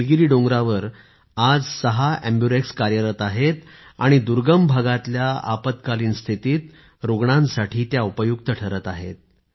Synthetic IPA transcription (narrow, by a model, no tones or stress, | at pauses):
lɡiɾiːɖõŋɡɾaʋəɾ | ad͡zsəɦaæmbjuɾekskaɾjəɾət̪aɦet̪a̰ɽ̃id̪uɾɡəmbʱaɡat̪ljaa̰pət̪kaliːnst̪ʰit̪iːt̪ | ɾoɡɳãnsaʈʰiːt̪jaupəjukt̪əʈʰəɾət̪aɦḛt̪̚